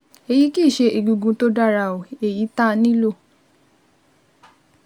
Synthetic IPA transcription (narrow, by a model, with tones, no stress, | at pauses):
e˧ji˨˦ki˦˨ʃe˧i˨ɡũ˧ɡũ˧to˦da˦˨ɾa˧˨o˨e˨ji˨˦ta˦˧nĩ˦lo˦˨